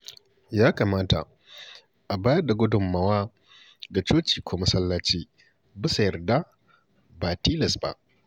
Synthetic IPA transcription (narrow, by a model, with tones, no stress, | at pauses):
jaː˦kaː˨maː˦ta̰˨ | ʔa˨baː˦jɐ˦rda˨ɡʷʊ˦dʊ˨mːɐ˨waː˦ | ɡa˨t͡ʃoː˦t͡ʃiː˨kʷʰoː˦mɐ˦sɐ˦lːaː˦t͡ʃiː˦ | bɪ˦sa˨jɐ˨rda˦ | baː˨tiː˦lɐ˨sba̰˦ʔ